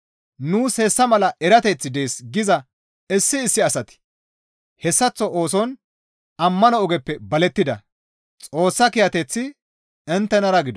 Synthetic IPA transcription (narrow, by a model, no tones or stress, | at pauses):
nuːshɛsːɐmɐlɐɛɾɐt̪ɛt͡sːɪd̪e̞ːsɡɪzɐ | ɪsːɪːsːɪɐsɐt̪ɪ̥ | hɛsːɐt͡sːɔʔoːsɔn | ɐmːɐnɔɔɡɛpːɛbɐlɛt̪ːɪd̪ɐ̰ | t͡sʼo̞ːsːɐkɪjɐt̪ɛt͡sːɪ | ɪnt̪ːɛnɐɾɐɡɪd̪ɔ